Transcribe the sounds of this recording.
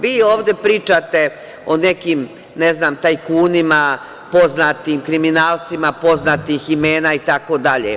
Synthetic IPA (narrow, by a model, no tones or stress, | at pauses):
ʋiːoːʋd̪e̞pɾiːt͡ʃat̪e̞ | one̞kiːm | neznaːmt̪aːjkuːnima | po̞znat̪imkɾiminaːlt̪simapo̞znat̪iximeːnaːit̪akod̪aʎḛ